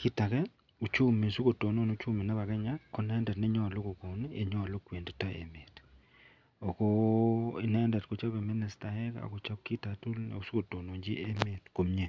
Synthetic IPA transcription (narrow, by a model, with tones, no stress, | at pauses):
kʰi˦ta˨kɛ˦ | u˨t͡ʃu˦me˨su˦ko˨to˨no˦no˦t͡ʃu˦me˨nɛ˦βa˨ɡɛ˦ɲa˦ko˦nɛ˦ndɛ˨tnɛ˦ɲɔ˦a˨lo˦ko˨ko˨n˦ḛ˨ɲɔ˦a˨lo˦kʷwe˨ndi˨ta˦ʔḛ˨me˨t | o˨ko˦i˦nɛ˦ndɛ˨tko˨t͡ʃa˦be˨mɪ˦nɪ˨sta˨hɛ˦ka̰˨ko˨t͡ʃa˦p̚ki˦ta˨tu˦lnɛ̰˨o˨su˦ko˨to˨no˨ɲd͡ʒi˦ʔe˦me˨tko˨mɲe˨